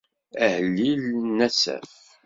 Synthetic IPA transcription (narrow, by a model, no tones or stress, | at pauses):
æhəlːilnːæsæ̰